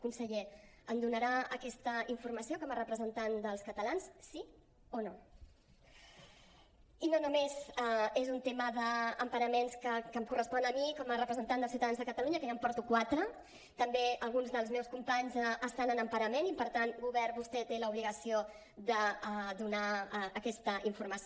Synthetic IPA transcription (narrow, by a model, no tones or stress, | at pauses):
kunsəʎeənd̪unəɾaəkɛst̪əiɱfuɾməsiokɔmərəpɾəzənt̪and̪əlˠskət̪əlansːi | ono | inonumezaezunt̪eməðəːmpəɾəmenskəkəmkurəspɔnəmikɔmərəpɾəzənt̪and̪əlˠs̬iwt̪aðanzðəkət̪əluɲəkəjampɔɾt̪ukwat̪ɾə | t̪əmbeəlˠɣunzðəlˠzmɛwskumpaɲzəst̪anənəmpəɾəmenipəɾt̪anɡuβɛrβust̪ɛt̪eləuβliɣəsio | ðəd̪unaːkɛst̪əiɱfuɾməs